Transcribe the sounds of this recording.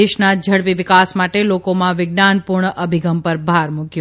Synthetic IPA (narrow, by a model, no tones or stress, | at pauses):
eʃnad͡ʒʱəɽpiʋɪkasmaʈelokomãʋɪɡnanpuɾɳəʔəbʱiɡəmpəɾbʱaɾmuɡjo